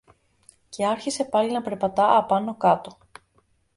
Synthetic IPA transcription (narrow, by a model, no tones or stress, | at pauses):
ce̞ɐɾçise̞pɐlinɐpe̞ɾpɐt̪ɐʔɐpɐnokɐt̪o̞